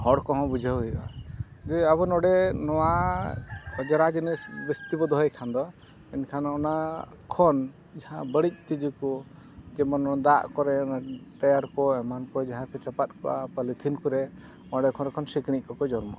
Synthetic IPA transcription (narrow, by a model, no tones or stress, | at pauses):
hɔɽkɔɦɔ̃bud͡ʒʱaɦuia̰d͡ʒɛaβɔnɔɖɛnɔwa | ɔd͡ʒɔɾad͡ʒinisbɛst̪ibɔd̪ɔɦɔjkʰand̪ɔ | ɛnkʰanɔna | kʰɔn | d͡ʒaɦãbəɽic̚ˀt̪id͡ʒikɔ | d͡ʒɛmɔnd̪aʔkɔɾɛɔnaʈajaɾkɔɛmankɔd͡ʒaɦãkɛt͡ʃapat̪̚kɔʔa̰palit̪ʰinkuɾɛ | ɔɽɛkʰɔɾkʰɔnsikɽ̃ic̚ˀkɔkɔd͡ʒɔɾmɔ̰ʔa